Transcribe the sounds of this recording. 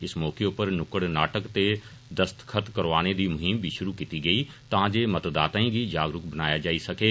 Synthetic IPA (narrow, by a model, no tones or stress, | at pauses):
ɪsmɔːkeʊpəɾnʊkəɽnaːʈəkt̪e | d̪əst̪kʰət̪kəɾʋaːned̪iːmʊɦɪmbʱiʃʊɾukiːt̪iɡəiː | t̪ãːd͡ʒeːmət̪d̪aːt̪ãĩːɡid͡ʒaːɡɾʊkbənaːjad͡ʒaːisɐkeː